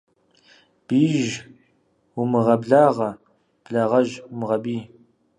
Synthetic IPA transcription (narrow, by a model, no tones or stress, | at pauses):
b̥iːʒ | wumɨʁɐbɮaːʁɐ | b̥ɮaːʁɐʒwʊmɨʁɐbiː